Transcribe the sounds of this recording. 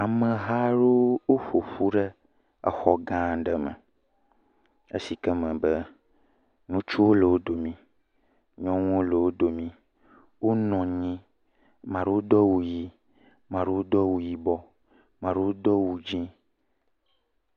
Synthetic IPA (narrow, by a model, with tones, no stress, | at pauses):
a˨mə̃˨ɦa˦ɖo˦wo˦ɸo˨ɸu˦ɖə˦ | ɛ̰˨xɔ˨ɡã˦ɖə˨mə̰̃˨ | ḛ˦si˨kɛ˦mə̃˨bə˦ | nũ˦t͡ʃu˦wo˦lə˨wo˦d̪o˨mĩ˦ | ɲɔ̃˦ŋũ˦wo˦lə˨wo˦d̪o˨mĩ˦ | wo˦nɔ̃˨ɲĩ˦ | mã˨ɖe˦wo˦d̪ɔ˦wu˨ji˦ | mã˨ɖe˦wo˦d̪ɔ˦wu˨ji˨bɔ˦ | mã˨ɖe˦wo˦d̪ɔ˦wu˨d͡ʒĩ˦